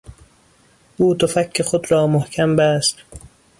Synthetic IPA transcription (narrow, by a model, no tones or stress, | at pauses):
ʔuːt̪ʰofækʰːexod̪ɾɒːmohkʰæmbæst̪